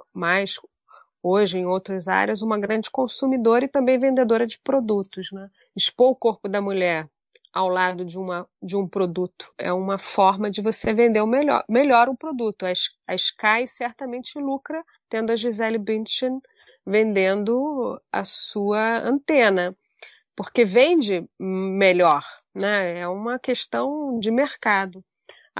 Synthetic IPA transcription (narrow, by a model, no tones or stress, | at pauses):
majs | oʒɪẽj̃owt̪ɾɐza̰ɾiɐzũmɐɡɾɐ̃nd͡ʒɪkõsumid̪oɾɐɪt̪ɐ̃mbẽj̃vẽnd̪ed̪oɾɐd͡ʒɪpɾod̪ut̪ʊznɛ | ɪʃpõʊkoɾpʊd̪ɐmuʎɛɾ | awlad̪ʊd͡ʒɪũmɐd͡ʒɪũpɾod̪ut̪ʊ̥ɛ̰ũmɐfɔɾmɐd͡ʒɪvosevẽnd̪eʊ̃melɔ̰meʎɔɾũpɾod̪ut̪ʊɐʃɐɪʃkajsɛɾt̪ɐmẽnt͡ʃɪɪlukɾɐ | t̪ẽnd̪ʊɐʒizɛlbĩnt͡ʃẽn | vẽnd̪ẽnd̪ʊɐ̰suɐɐ̰̃nt̪ẽnɐ | poɾkevẽnd͡ʒɪmeʎɔɾ | nɛɛũmɐkeʃt̪ɐ̃w̃d͡ʒɪmeɾkad̪ʊ